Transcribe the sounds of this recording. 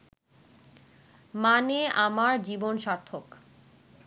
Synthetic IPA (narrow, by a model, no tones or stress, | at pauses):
maneamaɾd͡ʑibonʃaɾt̪ʰok